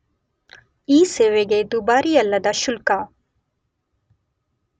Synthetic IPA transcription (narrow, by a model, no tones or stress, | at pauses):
iːseːʋeɡed̪ubaːɾijɐlːɐd̪ɐʃulka